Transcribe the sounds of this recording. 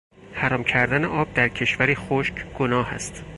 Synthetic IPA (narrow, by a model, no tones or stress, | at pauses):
hæɾɒːmcʰæɾd̪æneʔɒːb̚d̪æɾcʰe̞ʃvæɾiːxoʃcʰɡ̥onɒːhæ̰st̪